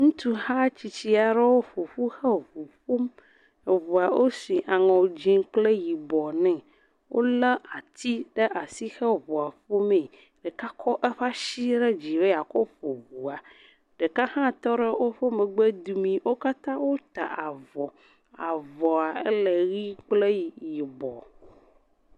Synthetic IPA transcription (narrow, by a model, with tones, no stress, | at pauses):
ŋũ˦t̪u˦hã˦t͡ɕi˨t͡ɕi˦a˨ɖɛ˦wo˦ɸo˨ɸu˦xɛ˦vu˨ɸu˦m˨ | vu˨a˨wʔo˦sĩ˨ʔa˨ŋɔ̃˨d͡ʑi˦ŋ˦k͡ple˦ji˨bɔ˨nɛ̃˨ | wo˦lɛ˦a˨t̪ʰi˦ɖɛ˦ʔa˨si˦xɛ˦vu˨a˨ɸo˦mẽ˨ | ɖɛ˨ka˦kʰɔ˦ʔɛ˦ɸa˦ʃi˦ɖɛ˦d͡ʑi˨be˦ja˨kɔ˦ɸo˨vu˨a˨ | ɖ̥ɛ˨ka˦hã˦t̪ɔ˦ɖɛ˦wo˦ɸo˦mɛ̃˨ɡ͡be˦d̪u˦mĩ˦wo˦ka˦t̪ã˦wo˦t̪a˨ʔa˨vɔ˨ | a˨vɔ˨a˨ɛ̰˦lɛ˨ɣi˦k͡ple˦ji˨ji˨bɔ˨